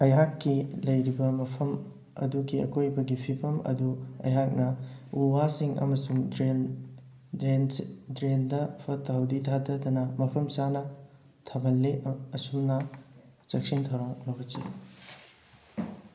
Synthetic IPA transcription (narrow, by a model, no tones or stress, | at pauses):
ɐjɦakːilɐjɾibɐmɐpʰɐm | ɐ̰duɡiɐ̰kʰojbɐɡipʰipʰɐmɐ̰duɐ̰jɦak̚nɐuwasiŋɐ̰mɐsuŋdɾen | dɾendɾendɐpʰɐtːaɦɐwditʰadɐdɐnɐmɐpʰɐmt͡ʃanɐ | tʰɐbʱɐnleɐsumnɐ | t͡ʃɐk̚sintʰɐwɾanɐbɐt͡ʃḭ